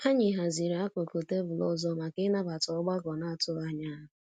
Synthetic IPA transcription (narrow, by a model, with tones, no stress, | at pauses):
ha˦ɲɪ˨ɦa˨zi˨ɾa˦ko˨ko˨te˦bʊ˨lɔ̰˦zɔ˦ma˨kɪ˦na˦ba˨tɔ˦ɡ͡ba˦ɡɔ˨na˨a˨tʊ˦ɣa˦ɲa˦ɦ